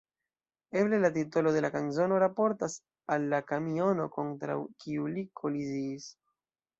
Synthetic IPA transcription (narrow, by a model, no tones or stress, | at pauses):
e̞ble̞lat̬ito̞lo̞de̞lakanzo̞no̞ɾapo̞ɾtas | alːakamio̞no̞ko̞ntɾa̰wkiulikʰo̞liziːs